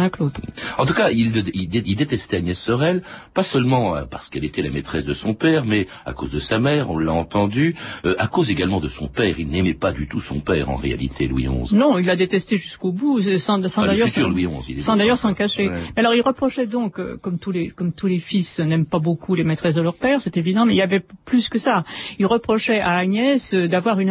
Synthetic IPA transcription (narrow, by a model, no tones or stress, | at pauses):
ɛ̃klot̪ɑ̃t̪ukaililild̪et̪ɛst̪ɛanjɛsːɔʁɛlpasœlmɑ̃a̰paʁsə̥kɛlet̪ɛla̰met̪χɛsd̪əsɔ̃pɛʁmɛ | a̰ko̰zd̪əsamɛʁɔ̰̃lːaɑ̃t̪ɑ̃d̪yøʔakozeɡalmɑ̃d̪əsɔ̃pɛʁilnɛmɛpad̪yt̪usɔ̰̃pɛʁɑ̰̃ʁḛa̰lḭt̪ʰelwḭɔ̰̃znɔ̃ilːad̪et̪ɛst̪eʒyskobusɑ̃sɑ̃d̪ajœʁʁlwiɔ̃zḭsɑ̃d̪ajœʁsɑ̃kaʃemɛalɔʁilʁəpχɔʃɛd̪ɔ̃køkɔmt̪ulekɔmt̪ulefisnɛmpabokʰulemet̪χɛsd̪əlœʁpɛʁsɛt̪evid̪ɑ̃mɛilavɛplyskəsailʁəpχɔʃɛaːɲjɛsød̪avwaʁyn